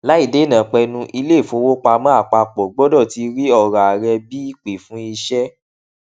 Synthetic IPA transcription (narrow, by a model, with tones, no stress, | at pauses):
la˦i˦˨de˨˦˨nã˨k͡pɛ˧nũ˧ʔi˧le˦˨fo˧wo˦k͡pa˧mã˦a˦˨k͡pa˧k͡pɔ˨ɡ͡bɔ˦dɔ˦˨ti˧ɾi˦ɔ˦˨ɾa˨ɾɛ˧bi˦i˦k͡pe˨fũ˨˦i˧ʃɛ˦